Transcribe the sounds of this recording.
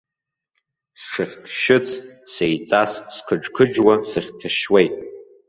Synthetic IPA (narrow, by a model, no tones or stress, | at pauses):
sʂɨχʲkʰʃɪt͡sʰsejt͡sʼasskʰɨʈ͡ʂkʰɨd͡ʒwasɨχʲtʰaʃwejtʼ